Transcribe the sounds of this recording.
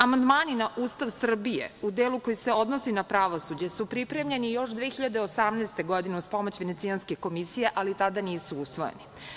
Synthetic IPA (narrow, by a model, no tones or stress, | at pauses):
amand̪maːninaʔuːst̪aʋsr̩bijḛud̪eːluko̞jiseo̞d̪nosinapɾaʋosud͡ʑe̞supɾipɾe̞mʎe̞nijo̞ʃd̪ʋeːxiʎad̪eosamnaɛːst̪e̞ɡo̞d̪ineuspomot͡ɕʋenet̪sijanskeko̞misijeʔalit̪ad̪aniːsuusʋo̞jḛni